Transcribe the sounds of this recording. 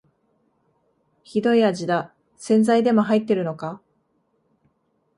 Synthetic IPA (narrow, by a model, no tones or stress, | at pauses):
çid̪o̞iad͡ʑid̪a | sẽ̞nd͡zaid̪e̞mo̞ɦait̪ːe̞ɾɯ̟no̞ka